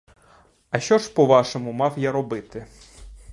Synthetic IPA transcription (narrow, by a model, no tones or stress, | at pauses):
ɐʃt͡ʃɔʒpɔʋɑʃɔmʊmɑwjaɾɔbɪt̪ɪ